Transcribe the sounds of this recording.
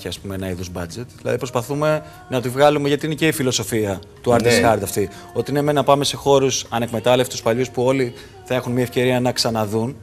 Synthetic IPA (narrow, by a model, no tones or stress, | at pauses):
iɐspumeenɐiðozbɐd͡ze̞t̪ðilɐ̰ðipɾo̞spɐθume̞ | nɐt̪ivɣɐlume̞ʝɐt̪iinece̞ifilo̞so̞fiɐ | t̪uɐɾt̪esxɐɾd̪ɐft̪i | o̞t̪iinemenɐpɐme̞se̞xo̞ɾusɐne̞kme̞t̪ɐlefit̪uspɐʎuspuo̞li | θɐe̞xunmiɐefce̞ɾiɐnɐksɐnɐðun